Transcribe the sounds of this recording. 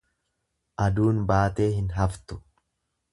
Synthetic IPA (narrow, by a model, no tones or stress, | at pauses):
ʔɐd̪uːnbaːt̪e̞ːhɪnɦɐft̪ʊ̥